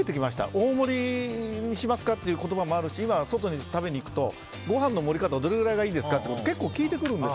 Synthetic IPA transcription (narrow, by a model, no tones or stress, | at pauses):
et̪ekʲimaɕi̥t̪a̰ʔo̞ːmo̞ɾʲiɲ̟iɕimasɨ̥kat̪ːe̞iɯ̟ːko̞t̪o̞bamo̞aɾɯ̟ɕiimaβso̞t̪o̞ɲ̟it̪abe̞ɲ̟iːkɯ̟t̪o̞ | ɡo̞ɦãnːo̞mo̞ɾʲikat̪aβad̪o̞ɾe̞ɡɯ̟ɾaiɡaiːd̪e̞sɨ̥kat̪ːeekot̪oke̞kːoːkʲiːt̪e̞kɯ̟ɾɯ̟̃nd̪es